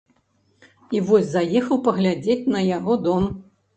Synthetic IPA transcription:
ivɔsʲzajɛxɐwpɐɣlʲad͡zʲet͡sʲnɐjaɣɔd̪ɔm

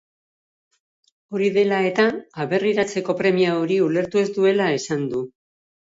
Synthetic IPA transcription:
o̞ɾiðe̞lae̞t̪aːβe̞riɾat͡se̞ko̞pɾe̞miaoɾiule̞ɾt̪ue̞zd̪ue̞lae̞sand̪u

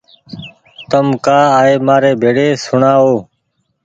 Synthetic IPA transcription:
t̪əmkaːaːeːmaːɾeːbʱeːɽeːsʊɳaːoː

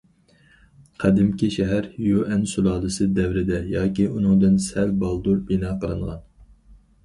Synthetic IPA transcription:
qʰæd̪ɪmkʲiʃɛɦæɾjuʔɛnsulˠɑːlˠɨsɨd̪ɛvɾɪd̪ɛjɑːkʲiʔunɨŋd̪ɨnsælbɑlˠd̪uɾbinɑːqʰəɾɨ̰ɴʁɑn

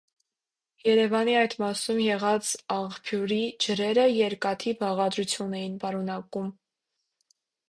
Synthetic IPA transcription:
jɛɾɛvɑniɑjt̪mɑsumjɛʁɑt͡sɑχpʰjuɾid͡ʒəɾɛɾəjɛɾkɑt̪ʰivɑʁɑd̪ɾut͡sʰjunɛjinpɑɾunɑkum

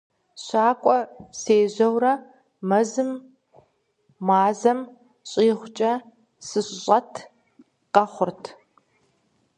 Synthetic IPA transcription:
ɕaːkʷʼɔseːʑɐwrɐ | mɐzɨm | aːzɐm | ɕʼiːχʷʊt͡ʃʼɐ | sɨɕʼɕʼɐtʰ | qɐχʷʊrtʰ

